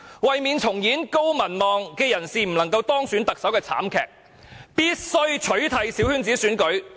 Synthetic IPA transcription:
wɐ˨jmiː˨nt͡sʰʊ˨˩ŋjiː˨˥nko˥wmɐ˨˩nmɔː˨ŋkɛː˧jɐ˨˩nsiː˨m̩˨˩lɐ˨˩ŋkɐ˧wt̪ɔː˥ŋsyː˨˥nt̪ɐ˨k̚sɐ˨˥wkɛː˧t͡sʰa̰ː˨˥mkʰɛ̰ː˨k̚ | piː˥t̚sɵ˥ɥt͡ʃʰɵ˨˥ɥt̪ʰɐ˨˧jsiː˨˥whyː˥nt͡siː˨˥syː˨˥nkɵ˨˥ɥ

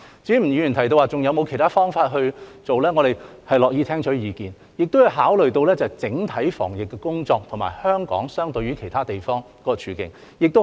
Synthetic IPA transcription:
t͡siː˨˥m̩˨˩ɥyː˨˧˩y˨˩ntʰjt̪o˧waː˨˧t͡sʊ˨ŋjɐ˨˧wmo˨˧wkʰjt̪ʰaː˥fɔː˥ŋfaː˧t̚ɦɵ˧ɥt͡so˨wlɛː˥ŋɔː˨˧e˨˩jhɐ˨jlɔː˨k̚jiː˧t̪ʰɛː˥ŋt͡ʃʰɔ˨˥jiː˨˧kiː˨˩n | jɪ˨k̚t̪o˥hɐ˨˧wɦaː˨˥wlɵ˨˩ɥt̪o˧wlɛː˥t͡sɐ˨˩hɐ˨jt͡sɪ˨˥ŋt̪ʰɐ˨˥jfɔ̰ː˨˩ŋjɪ˨kːɛ˧kʊ˥ŋt͡sɔː˧k̚t̪ʰŋma̰ː˨˩jhœː˥ŋkɔ̰ː˨˥ŋsœː˥ŋt̪ɵ˧ɥyː˨˥kʰe˨˩jt̪ʰaː˥t̪e˨˩jfɔː˥ŋ | kɔː˧t͡ʃʰyː˨˧kɪ̰˨ŋ | jɪ˨k̚t̪o˥

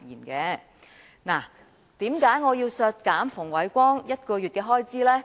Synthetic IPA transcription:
jḭː˨˩nkɛː˧ | na̰ː˨˩ | t̪iː˨˥mkaː˨˥jŋɔː˨˧jiː˧wsœː˧t̚kaː˨˥mfʊ˨˩ŋwɐ˨˥jkʷɔː˥ŋjɐ˥t̚kɔː˧ɥyː˨t̚kɛː˧ɦɔː˥jt͡siː˥lɛː˥

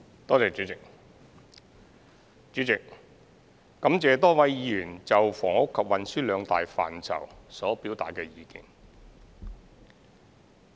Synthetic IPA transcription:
t̪ɔː˥t͡sɛː˨t͡ʃyː˨˥t͡sɪ˨k̚ | t͡ʃyː˨˥t͡sɪ˨k̚ | kɐ˨˥mt͡sɛː˨˧t̪ɔː˥wɐ˨˥jjiː˨˧ɥyː˨˩nt͡sɐ˨wfɔː˨˩ŋʊ˥kʰːɐ˨p̚wɐ˨nsyː˥lœː˨˧ŋt̪a̰ː˨jfa̰ː˨nt͡sʰɐ̰˨˩wsɔː˨˥piː˨˥wt̪aː˨t̚kɛː˧jiː˨˧kḭː˨n

